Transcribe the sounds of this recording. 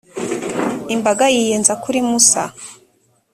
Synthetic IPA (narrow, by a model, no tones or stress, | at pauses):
imbaɡajijenzakuɾimusa̰